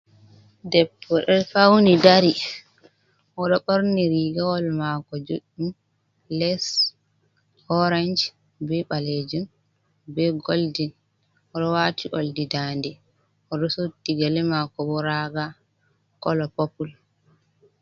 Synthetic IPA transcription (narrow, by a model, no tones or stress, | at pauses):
dɛpːɔɗɛfawnidaɾi | ʔɔɗɔɓɔɾniɾiɡawɔlmakɔd͡ʒoɗum | lɛs | hɔɾand͡ʒ | bɛɓaled͡ʒun | bɛɡoldin | ɔɗɔwaːtiʔoldidaːndɛ | ʔɔɗɔsotːiɡalɛmakɔbɔɾaɡa | kɔlɔpopul